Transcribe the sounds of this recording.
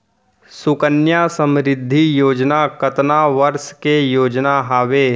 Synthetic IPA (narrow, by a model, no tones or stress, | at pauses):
sʊkənjaːsə̃mɾɪd̪ʱːijoːd͡ʒnakət̪naʋəɾskejoːd͡ʒnaɦaːʋeː